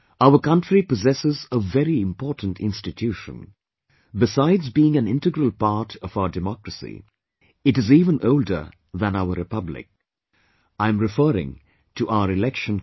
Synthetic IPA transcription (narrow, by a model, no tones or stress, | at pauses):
aʊəkʌ̃ntɹipɔzɛsɪzəvɛɾiɪ̃mpʰɔɹtn̩tʰɪ̰̃nstɨtʰjuʃə̰̃n | bɪsaɪdzbiɪ̃ŋæ̃nɪ̃ntɨɡɹəlˠpɑɹtʰʌvaʊədɨmɔkɹəsḭ | ɨtɨziːvə̃nʔoʊldə̰˞ | ðə̃naʊəɾɨpʌblɪ̰k̚ | ãɪ̃mɹɨfəːɾɪ̰̃ŋ | tʰuʔaʊəɾɪlɛkʃə̃n